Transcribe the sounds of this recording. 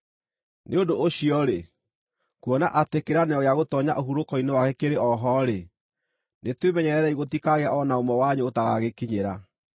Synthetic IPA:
nʔeodoʔːɕiɔɾe | kuɔna̰ʔatekeɾanɛɔɣjaɣotɔɲa̰ʔoɦuɾokɔinewaɣɛkeɾeɔɦɔɾe | netwemɛɲɛɾɛɾɛiɣotikaɣeaʔɔnaomɔwaɲeotaɣaɣekiɲeɾa

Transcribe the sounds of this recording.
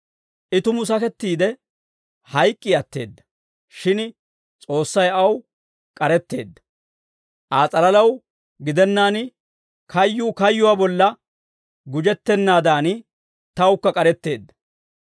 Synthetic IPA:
ʔɪt̪ʊmʊs̬ɐkɛt̪ːiːd̪ɛ | hɐjkʼːɪɐt̪ːe̞̰ːd̪ːɐ̥ | ʃɪn | t͡sʼo̞ːsːɐjɐw | kʼɐɾɛt̪ːe̞̰ːd̪ːɐ̥ | ʔaːt͡sʼɐlɐlɐw | ɡɪd̪ɛnːaːn | kʰɐjːʊːkɐjːʊwaːbɔlːɐ | ɡʊd͡ʒɛt̪ːɛnːaːd̪aːn | t̪ɐwkːɐkʼɐɾɛt̪ːe̞ːd̪ːɐ̥

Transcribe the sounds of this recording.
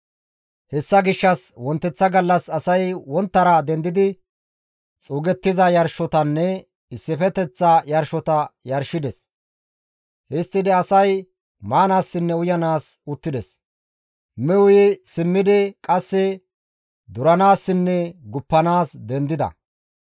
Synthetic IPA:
hɛsːɐɡɪʃːɐswɔnt̪ːɛt͡sːɐɡɐlːɐsɐsɐjwɔnt̪ːɐɾɐd̪ɛnd̪ɪd̪ɪ | t͡sʼuːɡɛt̪ːɪzɐjɐɾʃɔt̪ɐnːɛ | ɪsːɪfɛt̪ɛt͡sːɐjɐɾʃɔt̪ɐjɐɾʃɪd̪ɛs | hɛst̪ːɪd̪ɛɐsɐj | maːnaːsːɪnːɛʊjɐnaːsʊt̪ːɪd̪ɛs | mɛwʊjɪsɪmːɪd̪ɪkʼɐsːɛ | d̪ʊɾɐnaːsːɪnːɛɡʊpːɐnaːsd̪ɛnd̪ɪd̪ɐ̰

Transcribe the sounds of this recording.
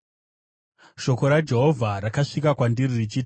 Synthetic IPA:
ʃo̞ko̞ɾad͡ʒe̞ɦo̞vʱaɾakaʂikakwandiririt͡ʃit

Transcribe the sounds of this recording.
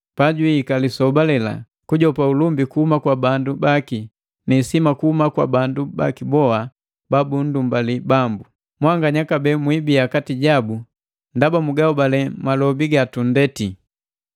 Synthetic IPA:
paɟuiikalisɔbalɛla̰ | kuɟɔpaulumbikuhumakwabandubaki | nisimakuhumakwa̰banduba̰kibɔa | babun̩dumbalibambu | mwaŋɡaɲakabɛmwibiakatiɟabu | ndabamuɡaubalɛmalɔbiɡatundɛti

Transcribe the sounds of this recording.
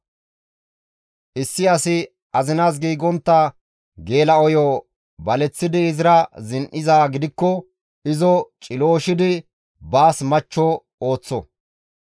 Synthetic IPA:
ʔɪsːɪɐsɪ | ɐzɪnaːs̬ɡiːɡɔnt̪ːɐ | ɡe̞ːlɐɔjɔ | bɐlɛt͡sːɪd̪ɪːzɪɾɐzɪnʔɪzaːɡɪd̪ɪkːɔ | ɪzɔt͡ʃʼɪlo̞ːʃɪd̪ɪ | baːsmɐt͡ʃːɔ | o̞ːt͡sːɔ

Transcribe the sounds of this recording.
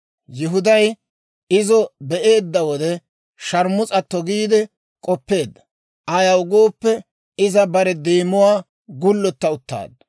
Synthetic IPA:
jɪɦʊd̪ɐj | ɪzɔbɛʔe̞ːd̪ːɐwɔd̪ɛ | ʃɐɾmʊt͡sʼɐt̪ːɔɡiːd̪ɛ | kʼɔpːe̞ːd̪ːɐ̥ | ʔɐjɐwʊɡo̞ːpːɛ | ɪzɐbɐɾɛd̪eːmʊwaː | ɡʊlːɔt̪ːɐʊt̪ːa̰ːd̪̚ɐ

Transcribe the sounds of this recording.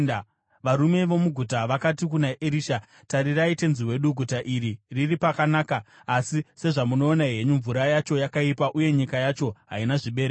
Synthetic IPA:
ʋaɾume̞ʋo̞muɡʱutaʋakat̬ikunaʔeɾiːʃa | taɾiraite̞nziwe̞ɗuɡʱutaʔiɾiriripakanaːkaː | sise̞ʐamuno̞ːnaɦe̞ɲuɱvuɾajat͡ʃo̞jakaipaʔuje̞ɲikajat͡ʃo̞ɦa̰inaʐiɓe̞ːɾe

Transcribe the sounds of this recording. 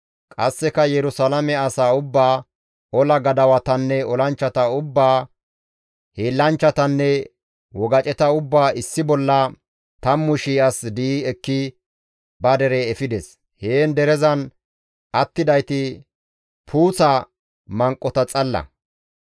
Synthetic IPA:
kʼɐsːɛkɐjɛɾʊsɐlɐmɛɐsaːʊbːaː | ɔlɐɡɐd̪ɐwɐt̪ɐnːɛɔlɐnt͡ʃːɐt̪ɐʊbːaː | heːlːɐnt͡ʃːɐt̪ɐnːɛ | wɔɡɐt͡ʃʼɛt̪ɐʊbːaːɪsːɪbɔlːɐ | t̪ɐmːʊʃiːɐsd̪iːɛkːɪ | bɐd̪ɛɾɛːfɪd̪ɛs | heːnd̪ɛɾɛzɐn | ʔɐt̪ːɪd̪ɐjt̪ɪ | pʰuːt͡sɐ | mɐŋkʼːɔt̪ɐt͡sʼɐlːɐ̰

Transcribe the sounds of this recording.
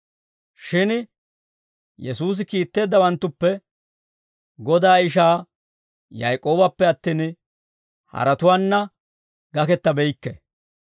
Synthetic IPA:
ʃɪn | jɛsuːs̬ɪkiːt̪ːe̞ːd̪ːɐwɐnt̪ːʊpːɛ | ɡɔd̪aːɪʃ̬aː | jɐ̰jkʼo̞ːbɐpːɛɐt̪ːiːn | hɐ̰ɾɐt̪ʊwaːnːɐ | ɡɐkɛt̪ːɐbɛjkːɛ̰

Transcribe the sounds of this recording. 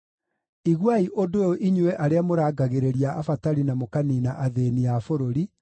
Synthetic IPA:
iɣwaiʔodojoʔiɲwɛʔaɾeamoɾaːɡaɣeɾeɾiaafataɾinamokaninaʔaðeniafoɾoɾi

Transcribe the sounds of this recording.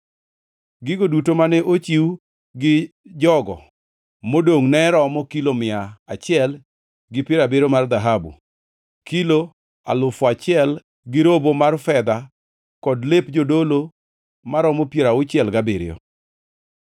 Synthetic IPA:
ɡɪɡodutomanɛʔot͡ʃiw | ɡɪd͡ʒɔɡɔ̰ | modoŋnɛɾɔmɔkilomɪaat͡ʃɪɛl | ɡɪpɪɾabeɾomard̪aɦabṵ | kilo | a̰lʊfat͡ʃɪɛl | ɡɪɾobomarfɛd̪a | kɔdlepd͡ʒodolo | maɾɔmɔpjeɾaʊt͡ʃɛlɡabɪɾɪ̰jɔ̰

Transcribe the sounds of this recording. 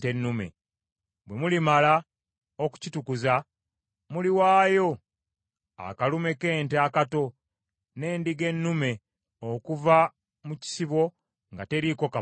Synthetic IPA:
tenːume̞̰ | bwe̞mulimala | oku̥citukuza | muliwaːjo̞ | a̰kalume̞ke̞ːnteakato̞ | ne̞ːndiɡe̞nːume̞ | okuva | muci̥siβo̞ | ŋɡate̞ɾiko̞ka

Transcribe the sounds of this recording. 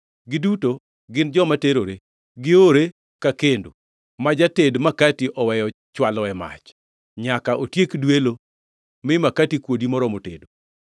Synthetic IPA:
ɡɪduto | ɡɪnd͡ʒɔmateɾoɾe | ɡɪoɾe | kakendo | mad͡ʒatedmakatiʔɔwɛjɔ | t͡ʃwalɔɛma̰t͡ʃ | ɲakaʔotjekdwelo | mɪmakatikwodimɔɾɔmotḛdo

